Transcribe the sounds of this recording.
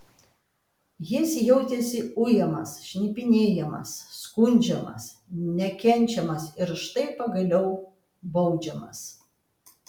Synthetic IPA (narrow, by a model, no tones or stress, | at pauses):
jɪsjɛʊt̪ʲɛsʲɪʊjɛmɐ̰sʃʲnʲipʲɪnʲeːjɛmɐ̰sːkʊnʲd͡ʒʲɛmɐ̰snʲɛkʲɛnʲˑt͡ʃʲɛmɐsɪɾʃt̪ɐɪpɐɡɐlʲɛʊ | bɐʊd͡ʒʲɛmɐ̰s